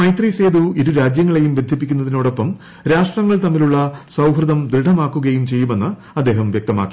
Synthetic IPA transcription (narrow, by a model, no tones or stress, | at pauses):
mɐjt̪riseːd̪uiɾuɾaːd͡ʑjɐŋːɐɭe̞jumbe̞nd̪ʱipːikʲːunːɐðino̞ːɽo̞pːɐm | ɾaːʂʈrɐŋːɐɭt̪ɐmːiluɭːɐsɐwɦrɨðɐmd̪ɾiɖʱɐmaːkːuɣɐjumt͡ɕe̞jːume̞nːɨ | ɐd̪ːe̞ːɦɐmʋjɐk̚t̪ɐma̰ːkːi